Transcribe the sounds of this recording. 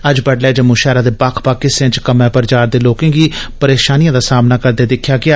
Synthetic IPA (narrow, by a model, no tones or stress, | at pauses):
əd͡ʒbəɖlɛːd͡ʒəmʊ̃ːʃɛːɾaːd̪eːbaːkʰpaːkɪsẽt͡ʃkəmɛ̃ːpəɾt͡ʃaːɾd̪eːloːkẽːɡiːpəɾeːʃaːnijãːd̪aːsaːmnaːkəɾd̪eːd̪ɪkʰːjaːɡɪaː